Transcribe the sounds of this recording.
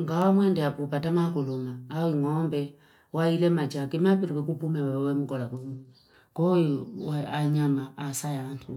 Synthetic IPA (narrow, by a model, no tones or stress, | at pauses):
ŋɡawamwɛndɛapɔpatamakulumaːwiŋɔmbɛ | wailɛmat͡ʃakɛmapiɾikɛkupumɛwaβawɛmuɡɔlakumɛ | kɔwɛaɲamaːsajantʰṵ